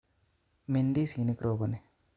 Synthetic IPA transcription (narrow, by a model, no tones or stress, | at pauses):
miɳɖisinikɾoːbɐni